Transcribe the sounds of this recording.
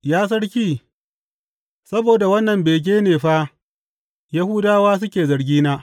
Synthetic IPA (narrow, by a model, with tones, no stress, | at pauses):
jaː˦s̬ɐ˦ɽkʲiː˦˨ | sɐ˦boː˨da˨wɐ˦nːɐ˨mbeː˨k̬ʲeː˦neː˨ɸa˦ | jɐ˦hu˦daː˦waː˦s̬ʊ˦kʲeː˨zɐ˨ɽɡʲiː˦naː˦